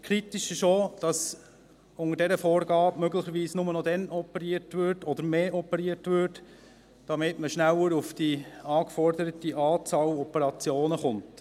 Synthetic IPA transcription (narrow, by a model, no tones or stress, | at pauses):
kʰɾitiʃɪʃod̥ɑs | ʊŋəɾdɛɾəfɔːɾɡɑːpmœɡlɪχəɾʋiːsnʊmənɔdɛnɔpəɾiːəɾtʋʏɾtɔd̪əɾmeːʔɔpəɾiːəɾtʋʏɾt | d̥ɑmɪtməʃnæwəɾʊfd̥iɑːkfɔrdəɾətiʔɑːt͡sɑːlɔpəɾɑt͡sjoːnəχʊnt